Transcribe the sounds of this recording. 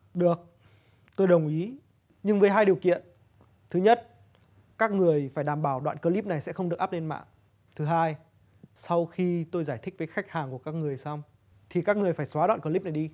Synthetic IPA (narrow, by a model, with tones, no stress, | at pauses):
ɗɨ˨˩ək̚ | t̪o˧jɗə˨˩wŋ͡mʔi˨˦ | ɲɨ˧ŋvəː˨˦jɦaː˧jɗi˨˩əwkḭ˧˨ən | t̪ʰɨ˨˦ɲə˦˥t̚ | kaː˦˥k̚ŋɨ˨˩əjfaː˧˩jɗaː˧˩mɓaː˧˩wɗwa̰ː˧˨nkəː˧li˦˥p̚na˨˩jsɛ̰˧˥xə˧wŋ͡mɗɨ˨˩ək̚ʔaː˦˥p̚le˧nma̰ː˧˨ŋ | t̪ʰɨ˨˦ɦaː˧j | sa˧wxi˧t̪o˧jzaː˧˩jt̪̟̚ʰvəː˨˦xa˦˥k̟̚haː˨˩ŋku˧˩əkaː˦˥k̚ŋɨ˨˩əjsa˧wŋ͡m | t̪ʰi˨˩kaː˦˥k̚ŋɨ˨˩əjfaː˧˩jswaː˨˦ɗwa̰˧˨nkəː˧li˦˥p̚na˨˩jɗi˧